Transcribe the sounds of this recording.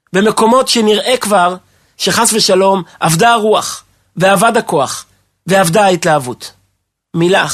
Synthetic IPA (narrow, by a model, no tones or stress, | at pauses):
be̞me̞ko̞mo̞tʃeniʁʔe̞kvaʁ | ʃe̞χasveʃalo̞mʔavdaʁuaχ | ve̞avadako̞aχ | veavdaitlaavut | mila